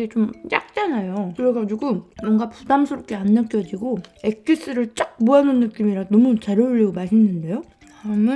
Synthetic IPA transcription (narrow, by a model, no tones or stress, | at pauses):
ɡet͡ɕomja̰k̚t͡ɕ͈anajokɯɾʌɡad͡ʑuɡumʌŋɡapudamsʰuɾop̚k͈eanːɯk͈jʌd͡ʑiɡoek̚k͈is͈ɯɾɯɭt͡ɕ͈ak̚moanɯnːɯk͈imiɾanʌmut͡ɕaɾʌuʎːʌɡomaɕʰinːɯnde̞jo | amɯn